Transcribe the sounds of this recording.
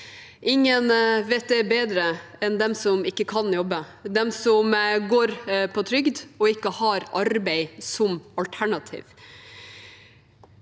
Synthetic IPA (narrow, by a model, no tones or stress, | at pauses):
ɪŋːənʋeːt̪̚d̪ɛbeːd̪ɾə | ɛnd̪ɛmsɔmɪkːəkʰɑnjɔbə | d̪ɛmsɔmɡoːɾpʰɔt̪ʰɾʏɡd̪ɔɪkːəhɑɾʔɑɾbɛɪsɔmɑlt̪ʰæɳɑt̪ʰḭːʋ